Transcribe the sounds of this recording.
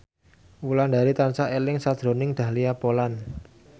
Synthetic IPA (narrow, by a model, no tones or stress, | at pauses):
wuland̪a̤ɾit̪ansaʔelɪŋsad̪̥ɾo̤nɪŋd̪̥ä̤liapolan